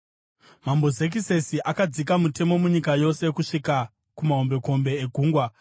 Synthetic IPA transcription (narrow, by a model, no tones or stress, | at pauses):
mambo̞ze̞k̬ise̞siʔakad͡zikamute̞mo̞muɲikajo̞se̞kuʂika | kumaɦo̞mbe̞ko̞mbe̞ːɡʱuːŋɡwa